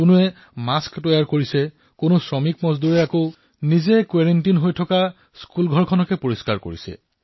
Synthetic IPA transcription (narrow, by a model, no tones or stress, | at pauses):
kʊnʊɛ | masktɔjaɹkoɹisɛ | kʊnʊsɹɔmikmɔzd̪uɹɛako | nizɛkwaɹentinɦojtʰɔka | skulɡʱɔɹkʰɔnɔkɛpoɹiskaɹko̰ɹisɛ̰